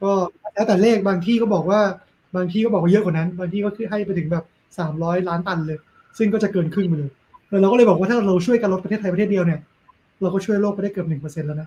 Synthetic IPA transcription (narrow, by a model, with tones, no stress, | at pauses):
kɔː˥˩lɛː˦˥wt̪ɛ˨˩leː˥˩k̚baː˧ŋt̪ʰiː˥˩kɔː˥˩bɔː˨˩k̚waː˥˩ | baː˧ŋt̪ʰiː˥˩kɔː˥˩bɔː˨˩kwaː˥˩ɤ˦˥ʔkʰɔː˨˩˦na˦˥nbaː˧ŋt̪ʰiː˥˩kɔː˥˩kʰɯ˥˩ɦa˥˩jpa˧jt̪ʰɯ˩˦ŋbɛː˨˩p̚ | saː˩˦mɾɔː˦˥jlaː˦˥nt̪a˧nlɤː˧j | sɯ˥˩ŋkɔː˥˩t͡ɕa˨˩kɤː˧nkʰɯ˥˩ŋma˧lɤː˧j | t̪ːɾwkɔː˥˩˧jbɔ˨˩k̚wa˥˩a˥˧˩ɾa˧wt͡ɕʰu˥˩jkaː˧nlo˦˥t̪̚pa˧tʰeː˥˩t̪ʰːp̪ʰeː˥˩i˧əwni˥˩ɐ | ɾa˧wkɔː˥˩t͡ɕʰu˥˩əjloː˥˩k̚a˧jda˥˩jkɤː˨˩p̚nɯ˨˩ŋp̬ɤː˧se˧nlɛː˦˥wna˦˥